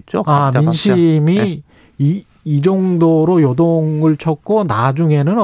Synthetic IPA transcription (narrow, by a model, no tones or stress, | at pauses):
t͡ɕoaminɕʰimi | iː | d͡ʑʌŋdoɾojʌdoŋɯɭt͡ɕʰʌk̚k͈ʰonad͡ʑuŋe̞nɯn